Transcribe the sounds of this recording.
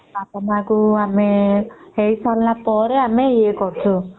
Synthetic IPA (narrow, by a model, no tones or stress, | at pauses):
apɔmãkuameheisallapɔɾeameekɔɾt͡ʃʰu